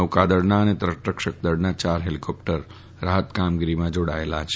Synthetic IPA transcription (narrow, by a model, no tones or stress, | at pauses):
əʋkad̪əɽnaənet̪ɾəʈəkʃək̚d̪əɽnat͡ʃaɾɦelikʰɔp̚ʈəɾː | aɦət̪kamɡiɾimãd͡ʒoɽaelat͡ʃʰe